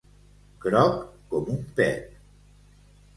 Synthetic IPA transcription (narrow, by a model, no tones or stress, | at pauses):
kɾɔkː | ɔmumpɛ̰t̪